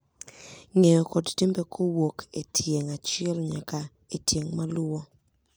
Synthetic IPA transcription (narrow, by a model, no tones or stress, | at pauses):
ŋejɔkɔdtembekʰowokʰetʰjeŋat͡ʃɪɛlɲaka | etjeŋmalwɔ